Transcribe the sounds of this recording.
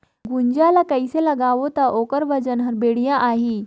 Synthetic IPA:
ɡuɲd͡ʑalakəjselaɡaʋot̪aʔokəɾʋəd͡ʑənɦəɾbeɽjãʔaɦi

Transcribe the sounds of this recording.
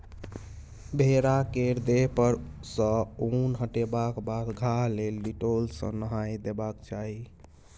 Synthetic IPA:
bʱeɾakeɾd̪eɦpəɾsə̃unɦəʈebakbad̪ɡʱalelːiʈolsə̰̃nəɦajd̪ebakt͡ʃʰaɦi

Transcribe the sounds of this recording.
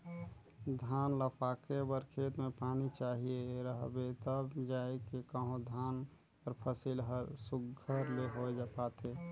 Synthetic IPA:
d̪ʱaːnləpʰaːkebəɾkʰet̪mẽpaːnit͡ʃaɦieɾəɦbet̪əbd͡ʒaekekəɦõd̪ʱaːn | pəɾpʰəsilɦəɾsuɡʱəɾleɦojd͡ʒapaːt̪ʰe

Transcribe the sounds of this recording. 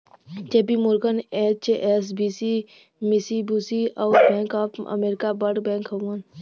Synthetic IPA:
t͡ʃeːbimoɾɡənet͡ʃʔesbisi | misibusiɔːɾbɛ̃ːŋkəpə̰meːɾɪkabəɖbɛ̃ːŋkɦomən

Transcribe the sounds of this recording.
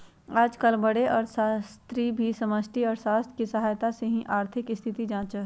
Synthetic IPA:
aːd͡ʒkəlbɐɽeʔɔːɾsast̪ɾibʱisɐməsʈʰiɔːɾʃaːst̪ʰkisɐɦaːjt̪aseɦĩʔaːɾt̪ʰɪkɪst̪ʰɪt̪id͡ʒãːt͡ʃə

